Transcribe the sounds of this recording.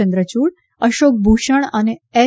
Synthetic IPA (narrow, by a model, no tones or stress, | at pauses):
ə̃nd̪ɾət͡ɕuːɽ | əʃoːk̚bʱuʃəɳ̃aneɛ